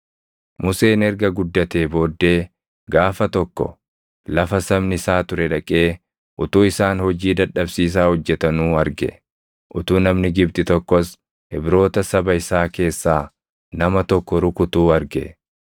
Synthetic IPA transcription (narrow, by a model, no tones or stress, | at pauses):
mʊse̞ːnɛɾɡɐɡʊd̪ːɐt̪e̞ːbo̞ːd̪ːe̞ː | ɡaːfɐt̪ɔkːɔ̰ | lɐfɐsɐmnɪɪsaːt̪ʊɾɛᶑɐkʼe̞ː | ʔʊt̪uːɪsaːnhɔd͡ʒiːd̪ɐᶑɐbsiːs̬aːhɔd͡ʒːɛt̪ɐnuːɐɾɡɛ̰ | ʔʊt̪uːnɐmnɪɡɪb̚t̪ɪt̪ɔkːɔs | hɪbɾo̞ːt̪ɐsɐbɐɪsaːke̞ːsːaː | nɐmɐt̪ɔkːɔɾʊkʊt̪uːɐɾɡɛ̰